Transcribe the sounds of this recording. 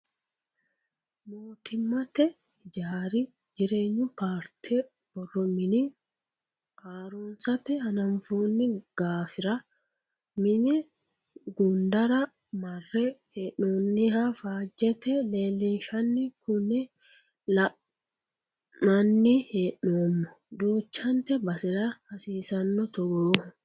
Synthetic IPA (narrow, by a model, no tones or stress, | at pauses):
moːt̪ɪmːɐt̪ɛ | d͡ʒaːɾɪ | d͡ʒɪɾe̞ːɲːʊpaːɾt̪ʰɛ | b̥ɔrːɔmɪnɪ | aːɾunsɐt̪ɛhɐnɐmfuːnːɪɡ̥aːfɪɾɐ | mɪnɛ | ɡʊnd̪ɐɾɐ | mɐrːɛheʔoːnːɪɦafaːd͡ʒːɛt̪ɛleːlːɪnʃɐnːɪkʊnɪ | lɐ | mɐnːɪheʔːoːmːɔ | d̪uːt͡ʃːɐnt̪ɛbɐsɪɾɐhɐsiːsɐnːɔt̪ɔɡoː